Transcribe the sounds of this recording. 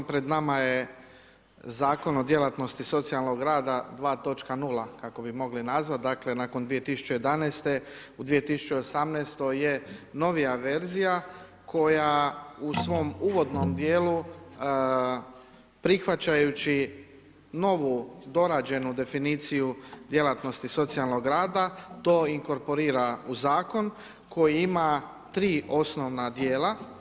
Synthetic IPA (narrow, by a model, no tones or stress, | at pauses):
pɾed̪namaje̞ | zaːko̞no̞d̪je̞lat̪no̞st̪iso̞t̪sialˠno̞ɡɾaːd̪ad̪ʋaːt̪o̞t͡ʃkanulakako̞bimo̞ɡlinazʋat̪̚d̪aːkle̞naːko̞nd̪ʋijet̪isu̥t͡ɕejed̪anɛːst̪e̞ | ud̪ʋije̞t̪isu̥t͡ɕeosamnɛːst̪o̞jeno̞ʋijaʋe̞ɾzija | kʰo̞jausʋo̞ːmuːʋo̞d̪no̞md̪je̞ːlu | pɾixʋat͡ɕajut͡ɕi | no̞ʋud̪o̞ɾaːd͡ʑe̞nud̪e̞finiːt̪sijud̪je̞lat̪no̞st̪iso̞t̪sijalˠno̞ɡɾaːd̪at̪o̞ːiŋko̞ɾpo̞ɾiːɾauzaːko̞n | kʰo̞jiima | t̪ɾiːʔo̞sno̞ʋnad̪je̞ːla